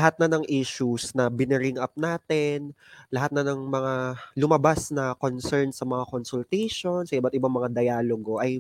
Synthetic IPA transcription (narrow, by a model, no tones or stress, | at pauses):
lɐɦat̪̚nɐnɐŋʔiʃusnɐbɪnɪɾɪŋʔɐp̚naːt̪ɛnlɐɦat̪̚nɐnɐŋmɐŋalʊmɐbasnɐkonsɛɹnsɐmɐŋakonsʊlt̪ɛjʃo̞nsɐʔɪbat̪̚ɪbaŋmɐŋad̪ɐjaːloɡo̞ʔɐj